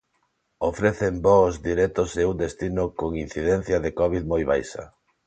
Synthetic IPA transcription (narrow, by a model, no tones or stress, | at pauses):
ofɾeθembɔzd̪iɾɛt̪ʊseund̪est̪inʊkoŋin̟θiðɛn̟θjɐðekɔβiðmojβa̰jʃɐ̰